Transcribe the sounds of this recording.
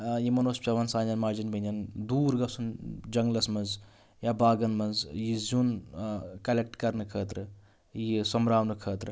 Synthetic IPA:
jimɐnoːspʲɐʋɐnsaːnɐnmaːɾd͡ʒinbinɐnd̪uːɾɡɐsund͡ʒɐŋɡlɐsmɐnz | jabaːɡɐnmɐnzjizun | kɐlek̚ʈkɐɾnɨkʰəːt̪ɾɨ | jisɐmɾaːwnɨkʰəːt̪ɾɨ

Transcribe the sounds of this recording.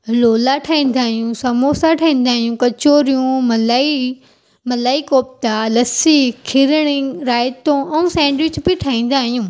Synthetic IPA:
loːlaʈʰaːĩːn̆d̪aːɦijũsɐmoːsaʈʰaːĩːn̆d̪aːɦijũkɐt͡ɕoːɾijũmɐlai | mɐlaːikoːp̚t̪alɐsikʰɪɾɽ̃iɾaːɪt̪õɛ̃ũsɛ̃ːɳɖʋɪt͡ʃbiʈʰaːĩːn̆d̪aːɦijũː

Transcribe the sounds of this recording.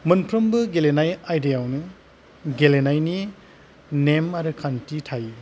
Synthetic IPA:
mɐnpʰɾɐmbɯɡelenajajdejawnɯ | ɡelenajni | nemaɾɯkʰantitʰaji

